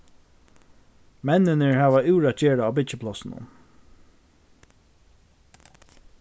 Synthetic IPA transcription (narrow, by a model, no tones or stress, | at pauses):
mɛnːɪnəɹhaːʋaʉːɹat͡ʃeːɹaaːbɪt͡ʃəpʰlɔsɪnʊ̰m